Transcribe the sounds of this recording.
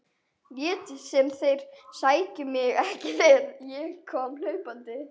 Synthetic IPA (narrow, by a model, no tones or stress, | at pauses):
vjɛːt̪ɪsɛmθejɾ̥saːjcʏmjɪɣɛhcɪlenjɛɣkʰɔːml̥œɥpant̪ɪ